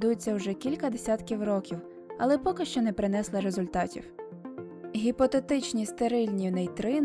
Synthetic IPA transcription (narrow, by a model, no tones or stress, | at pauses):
d̪ujet͡sʲːɐwʒɛkʲilʲkɐd̪esʲat̪kʲiwɾɔkʲiw | ɐlˠɛpɔkɪʃt͡ʃɔnɛpɾɪnɛslˠɪɾezʊlʲt̪ɑtʲḭw | ɦʲipɔt̪et̪ɪt͡ʃnʲist̪eɾɪlʲnʲinɛjt̪ɾɪn